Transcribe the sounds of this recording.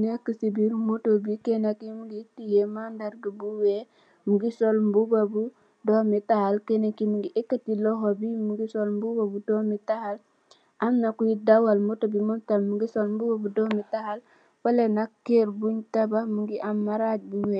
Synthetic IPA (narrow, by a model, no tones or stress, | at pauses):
nekːəsibiɾmotobikenakimuɡitijemandaɾɡibuwe | muɡisolmbubabu | dɔmitahalkenekimuŋɡiʔekːatilɔɦobimuɡisolmbubabudɔmitahal | ʔamnakujidawalmotobimɔntalmuɡisolmbubabudɔmitahal | falenakkːeɾbuɲtabamuŋɡiʔamːaɾaɟ̚buwɛ